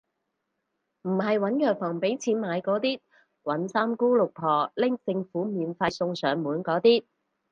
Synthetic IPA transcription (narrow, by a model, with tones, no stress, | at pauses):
m̩˨˩ɦɐ˨jwɐ˨˥njœː˨k̚fɔː˨˩ŋpe˨˥jt͡sʰiː˨˥nmaː˨˧jkɔː˨˥t̪iː˥ | wɐ˨˥nsaː˥mkuː˥lʊ˨k̚pʰɔː˨lɪ˥ŋt͡sɪ˧ŋfuː˨˥miː˨˧nfa˧jsʊ˧ŋsœː˨˧ŋmuː˨˥nkɔː˨˥t̪iː˥